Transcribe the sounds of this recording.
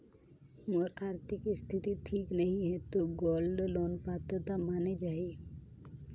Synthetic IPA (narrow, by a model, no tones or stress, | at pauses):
moɾaːɾt̪ʰɪkist̪ʰɪt̪iʈʰiːknəɦĩɦɛt̪oɡɔːlɖloːnpaːt̪ɾət̪amaːned͡ʒaːe